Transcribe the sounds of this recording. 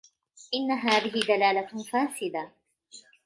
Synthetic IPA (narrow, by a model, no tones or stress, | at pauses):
ʔɪnːaɦaːðɪɦɪd̪alaːlafaːsɪd̪a